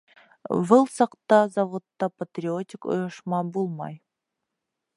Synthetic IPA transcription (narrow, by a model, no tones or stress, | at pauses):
bɨlˠsɑqt̪ɑzavot̪ːɑpat̪ʲrʲiot̪ʲiko̰joʃmɑbulˠmɑ̰j